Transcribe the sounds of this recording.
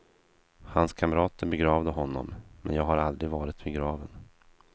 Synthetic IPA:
hanskʰamɾɑːt̪əɾbɛɡɾɑːvd̪əɦɔnːɔ̰mːɛ̰njɑːɡhaɾald̪ɾɪɡvɑːɾɪt̪̚bɛɡɾɑːvən

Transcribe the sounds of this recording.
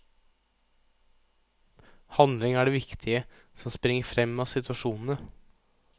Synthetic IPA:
hɑnd̪lɪŋæːɖeːʋɪkt̪ʰɪə | sɔmspɾɪŋːəfɾɛmːɑːsɪt̪ʰʋɑʂuːnn̩ə

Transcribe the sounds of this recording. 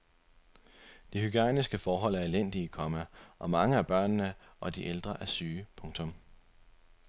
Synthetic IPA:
d̥ihyɡ̥æ̰nisɡ̥əfɒːɦɒ̽l̰æɐelen̰d̥ikʰɒ̽mæʔɒ̽mɑ̈ŋəæɐb̥ɶɐ̰nːəʔɒ̽d̥iʔeld̥ʁɐʔæɐsyːpʰɔ̽ŋt͡sʰɔ̽m

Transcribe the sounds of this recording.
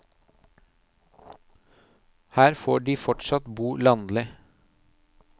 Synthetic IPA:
hæːɾfoːɖiːfɔʈsɑt̪buːlɑnd̪lɪ

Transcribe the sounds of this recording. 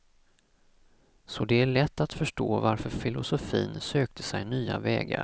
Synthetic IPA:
sɔd̪ɛæɭɛt̪ːat̪fœʂʈoːvaɾfœɾfɪlʊsʊfiːnsøːk̚t̪ʰə̥sɛjnyːa̰vɛ̰ːɡa̰

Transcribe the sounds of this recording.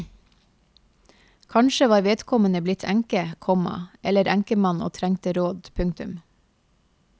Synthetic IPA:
kʰɑɳʃəʋɑːɾʋeːd̪kʰɔmənəblɪt̪ʰæŋkəkʰɔmɑ̰ʔɛləɾæŋkəmɑno̰ːt̪ʰɾæŋt̪əɾoːd̪pʰʉŋt̪ʉm

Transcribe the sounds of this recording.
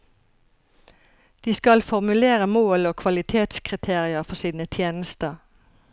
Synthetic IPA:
d̪̥iːskɑlfɔʁmʉleːʁəmoːloːkʰʋɑlɪt̪ʰeːt̪skʰʁɪt̪ʰeːʁɪəfɔsiːnət̪ʰjeːnəst̪əʁ

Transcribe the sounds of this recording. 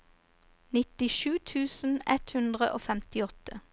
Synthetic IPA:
nɪt̪ɪʃʉːt̪ʰʉːsn̩ɛt̪hʉnd̪ʁəʔo̰ːfɛmt̪ɪɔt̪ə

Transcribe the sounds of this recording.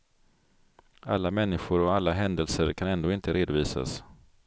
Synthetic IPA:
alːamɛnːɪɧʊɾɔalːaɦɛnd̪əlsəɾkʰanɛnd̪oːɪnt̪əɾeːd̪ʊviːsa̰s

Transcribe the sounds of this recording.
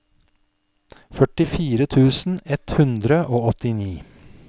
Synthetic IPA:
fœʈɪfiːɾət̪ʰʉːsn̩ɛt̪hʉnd̪ɾəʔoːɔt̪ɪniː

